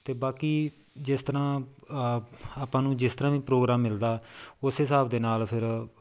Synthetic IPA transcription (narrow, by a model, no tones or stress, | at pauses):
t̪eːbaːkiː | d͡ʒɪst̪əɾãː | aːpãːnũːd͡ʒɪst̪əɾãːʋĩːpɾoːɡɾaːmːɪld̪aːʊsɦɪsaːpd̪eːnaːlpʰɪɾ